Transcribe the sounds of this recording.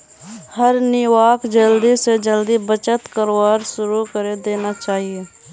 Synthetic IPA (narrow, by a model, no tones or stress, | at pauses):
həɾnɪwaːkd͡ʒəld̪ised͡ʒəld̪ibət͡ʃət̪kəɾaːɾʃʊɾukəɾed̪eːnat͡ʃaːɦieː